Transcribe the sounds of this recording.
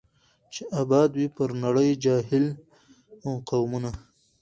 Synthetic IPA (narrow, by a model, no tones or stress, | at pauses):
t͡ʃeʔabɑːd̪wipəɾnaɽəjd͡ʒɑːɦɪl | aqawmuna